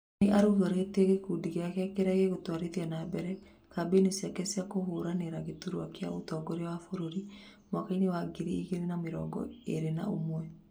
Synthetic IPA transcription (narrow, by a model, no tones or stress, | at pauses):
eʔaɾuɣoɾeteɣekudiɣeakɛakeɾaɣeɣotwaɾeðianabɛɾɛ | kabenesjakɛsiakoɦoɾaneɾaɣetuɾoakja̰otɔːɡɔɾeawafoɾoɾi | mwakainewaɡeɾiiɣeɾenameɾɔ̰ɡɔ̰eɾena̰omwɛ